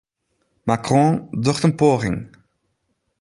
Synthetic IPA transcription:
makʁɔ̃ːdɔχtənpoːɣɪ̰ŋ

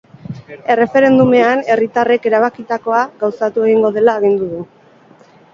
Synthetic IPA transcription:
e̞re̞fe̞ɾe̞nd̪ume̞ane̞rit̪are̞ke̞ɾaβ̞akit̪ako̞aɣawsat̪ue̞ɣ̞iŋɡo̞ðe̞laːɣ̞ind̪uðu

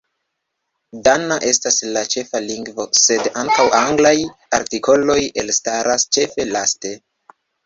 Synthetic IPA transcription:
danaʔe̞staslat͡ʃe̞faliŋɡvo̞se̞daŋkawʔaŋɡlajaɾtiko̞lo̞je̞lstaɾʔast͡ʃe̞fe̞laste̞

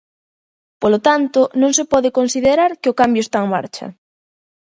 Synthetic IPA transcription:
polot̪ant̪onõŋsepɔðekonsiðeɾaɾkeokambjoest̪aeŋma̰ɾt͡ʃɐ̰

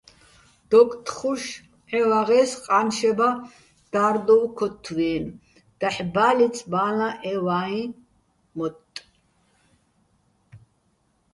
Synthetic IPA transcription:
d̪̥ɔkʼt̪ʰʼχuʃ | ɛwaʁɛsqʼanʃɛba | d̪̥aːɾd̪ɔwkʰɔt̪ʰːwɛːn | d̪̥aħbaːlit̪t͡sʰbaːlaʔɛwaĩ | mɔt̪ʼ

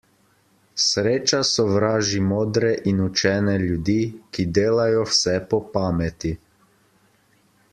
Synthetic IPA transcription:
sɾeːt͡ʃasɔʋɾaːʒimoːd̪ɾɛʔinut͡ʃɛːnɛlud̪iːkid̪eːlajɔwsɛpɔpaːmɛt̪i

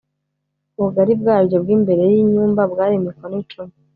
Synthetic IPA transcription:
muɡaɾib̚ɡaːɾɟo̞bɡiːmbe̞ɾe̞jiɲuːmbabɡaːɾimikonit͡ʃumi

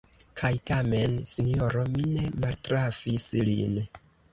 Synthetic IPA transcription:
kʰajtame̞nsinijo̞ɾo̞mine̞maltɾafislḭn

